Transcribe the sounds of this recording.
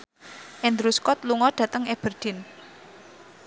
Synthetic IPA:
ʔɛnd̪ɾuskɔt̪luŋɔd̪̥ä̤t̪əŋeb̥ərd̪̥ɪ̤n

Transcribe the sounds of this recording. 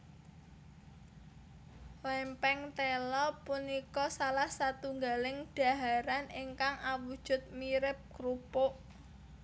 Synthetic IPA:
lɛmpɛŋt̪ɛlɔpunikɔsalahsat̪uŋɡalɪŋɖ̥a̤ɦaɾaniŋkaŋawud̥ʒ̥ʊ̤t̪̚miɾɪp̚kɾupoʔ

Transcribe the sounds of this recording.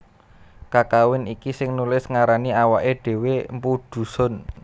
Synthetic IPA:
kakawɪnikisɪŋnulɪsŋaɾaniawaʔeɖ̥e̤wempuɖ̪̥ṳsɔ̤n

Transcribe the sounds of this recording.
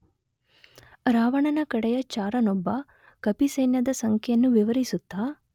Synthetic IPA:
ɾaːʋɐɳɐnɐkɐɽɛjɐt͡ʃaːɾɐnɔbːɐ | kɐpisɐjnjɐd̪ɐsɐŋkʰɛjɐnːuʋiʋɐɾisut̪ːaː

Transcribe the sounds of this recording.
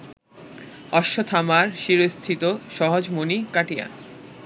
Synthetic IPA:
ɔʃːot̪ʰamaɾʃiɾost̪ʰit̪oʃɔɦod͡ʑmonikaʈija̰

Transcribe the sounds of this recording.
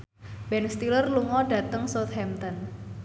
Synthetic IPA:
b̥ɛnst̪ilərluŋɔɖä̤t̪əŋsot̪̚hɛmt̪ɔn

